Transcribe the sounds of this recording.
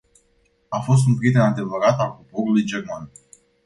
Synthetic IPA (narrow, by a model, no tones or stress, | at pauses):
afo̞s̬t̪unpɾiet̪enad̪e̞vəɾat̪alkopo̞ɾulujd͡ʒe̞rman